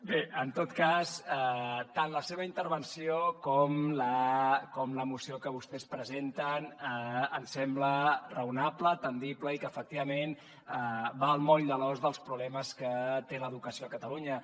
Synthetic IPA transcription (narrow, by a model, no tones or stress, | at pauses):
beənt̪ot̪kasət̪anləseβ̞əint̪əɾβ̞ənsiokɔmləkɔmləmusiokəβust̪ɛspɾəzent̪ənəənsɛmblərəunaplət̪ənd̪ipləikəːfək̚t̪iβəmen | əbaəlˠmɔʎd̪əlɔzðəlˠspɾuβlɛməskət̪eləðukəsioəkət̪əluɲə